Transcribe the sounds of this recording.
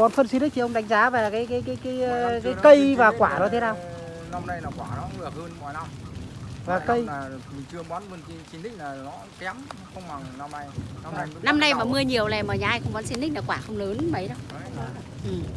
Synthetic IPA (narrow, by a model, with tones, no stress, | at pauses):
ɔ˨˦nfə˧nsi˧ni̟˦˥t̪ʰi˨ə˧ŋ͡mɗa˨˦jŋ̟zaː˨˦va˨˩˨kaː˨˦jkaː˨˦jkaː˨˦jkaː˨˦jkaː˨˦jkə˧jvaː˨˩kwaː˧˩nɔ˨˦t̪ʰe˨˦naː˧˩w | na˧mna˧jnaː˨˩kwaː˧˩nɔ˨˦ɨ˧˩ə˨˩həː˧nmɔ˨˩jna˧m | vaː˨˩kə˧jːmi˨˩ŋt͡ɕɨ˧əɓɔ˨˦nvə˧˩nki˨˦swi˧nt̪ï˦˥k̚naː˨˩nɔ˨˦kɛ˨˦m | xə˧wŋ͡mɓa˨˩ŋna˧mna˧jna˧na˧jna˧mna˧jmaː˨˩mɨ˧əɲi˨˩əwlɛ˨˩məː˨˩ɲaː˨˩ʔa˧jxə˧wŋ͡mɓɔ˨˦nswi˧nɗï˦˥k̚naː˨˩kwaː˧˩xə˧ŋ͡mləː˨˦nmə˨˦jɗə˨˦w | ʔɨ˨˩m